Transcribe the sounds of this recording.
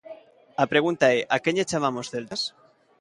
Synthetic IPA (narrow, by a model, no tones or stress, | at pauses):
apɾe̞ɣ̞unt̪aeʔakeɲet͡ʃamamosθelt̪as